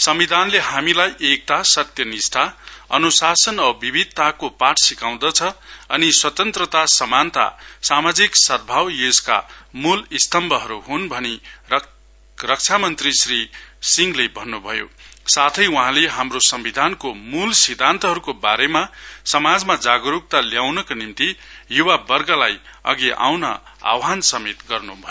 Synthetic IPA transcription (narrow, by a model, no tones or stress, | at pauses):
sʌmbid̪ʱanlehamilajʔek̚t̪asʌt̪jʌnist̪ʰaʌ̰nusasʌnʌbibʱid̪̚ʱt̪akopaʈʰsikaw̃d̪ʌt͡sʰʌʌniswʌt̪ʌnt̪rʌt̪asʌmant̪a̰samad͡ziksʌd̪̚bʱawjeska̰mulist̪ʌmbʱʌɦʌɾuɦunbʱʌni | rʌk̚t͡sʰamʌnt̪risrisiŋɡlebʱʌnːubʱʌjo̰sat̪ʰʌjwʌɦãleɦamrosʌmbid̪ʱankomulsid̪ʱant̪ʌɦʌɾukobaɾemasʌmad͡zmad͡zaɡɾuk̚t̪aljawnʌkonimt̪ijuwabʌrɡʌlajʌ̰ɡeʔa̰wnʌ̰a̰wɦansʌmet̪ɡʌrnubʱʌjo